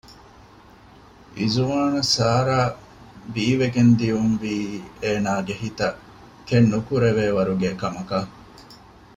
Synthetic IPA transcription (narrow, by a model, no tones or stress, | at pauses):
izuʋaːnusaːɾaː | biːʋeɡend̪iumʋiːeːnaːɡehit̪ɐ | kenːukuɾeʋeːʋɐɾuɡeːkɐmɐkɐ